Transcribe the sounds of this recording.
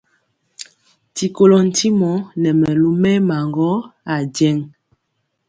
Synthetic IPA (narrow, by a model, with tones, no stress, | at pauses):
ti˨ko˨lɔ˨n̩˨ti˦mɔ˨˦nɛ˨mɛ˨lu˦mɛ˦ma˨ŋɡɔ˦a˨d͡ʒɛ˦ŋ